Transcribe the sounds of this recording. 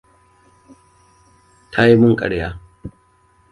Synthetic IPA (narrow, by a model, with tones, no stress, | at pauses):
tʰa˦ji˦mʊ˦ŋkʼɐ̰˨ɽjaː˦